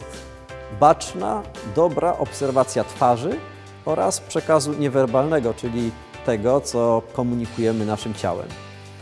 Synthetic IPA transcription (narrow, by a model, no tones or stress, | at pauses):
bat͡ʂna̰d̪ɔbɾaʔɔpsɛɾvat̪sʲjat̪faʐɘ | ɔɾa̰spʂɛkazuɲɛvɛɾbalnɛɡɔt͡ʂɘlʲi | t̪ɛɡɔt̪sɔkɔmuɲikujɛmɘnaʂɘmt͡ɕa̰wɛ̰m